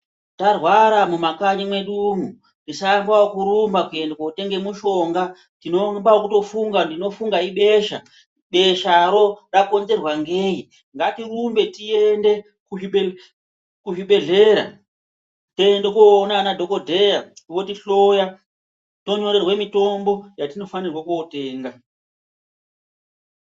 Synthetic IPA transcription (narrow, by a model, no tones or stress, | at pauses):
tarwaɾamumakaɲimwe̞ɗumu | ndisambwawokuɾumbakue̞ndekoute̞ŋɡe̞muʃo̞ŋɡa | tinombaokuto̞fuŋɡandino̞fuŋɡaiɓe̞ʃa̰ | ɓe̞ʃaɾo̞rako̞nze̞rwaŋɡeːji | ŋɡatirumbe̞tie̞nde̞ | kui | kuɦiɓe̞ɮe̞ɾa | to̞endekoːnanadʱo̞ko̞dʱe̞jaʋotiɬo̞ja | to̞ɲo̞ɾe̞rwe̞mito̞mbo̞jatino̞fanirwakuote̞ːŋɡa